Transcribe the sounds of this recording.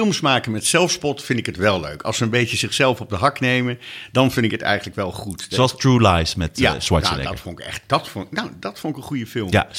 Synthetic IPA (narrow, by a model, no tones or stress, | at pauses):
ɪlˠmsmaːkənmɛtsɛlˠfspɔtfɪndɪkɦətʋɛlˠlø̰ɥkʰɑ̰lˠsəənbejtəzɪχsɛlˠfɔb̚dəɦɑknejməndɑnvɪndɪkɦətɛ̰jχən̩ləkʋɛlˠχutoɑlˠstɹulajsmɛtja̰swa̰na̰ɛ̰dfɔnɪkɛ̰χt̚d̥ɑtfnnowdɑtfʊnɪkənχujəfɪlˠma̰